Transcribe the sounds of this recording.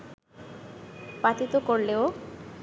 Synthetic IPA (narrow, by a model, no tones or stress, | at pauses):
pat̪it̪okoɾleo